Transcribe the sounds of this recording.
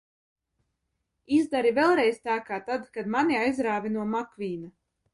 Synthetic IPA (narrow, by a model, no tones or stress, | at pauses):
izd̪aɾivɛlˠɾɛjst̪aːkaːt̪ad̪kad̪maniajzɾaːvʲinuɔmakvʲiːna